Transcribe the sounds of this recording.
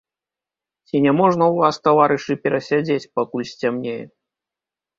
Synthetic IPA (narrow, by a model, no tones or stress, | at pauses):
t͡sʲinʲɛmɔʐnɐwvast̪avaɾɨʂɨpʲɛɾɐsʲad͡zʲet͡sʲpakulʲsʲt͡sʲamnʲejɛ